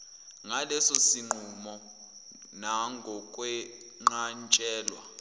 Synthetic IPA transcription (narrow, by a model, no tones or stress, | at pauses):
ŋalɛsosiŋ͡ǃumɔ | naŋɡʱɔkʼwɛ | ŋ͡ǃant͡ʃʼɛːlwa̰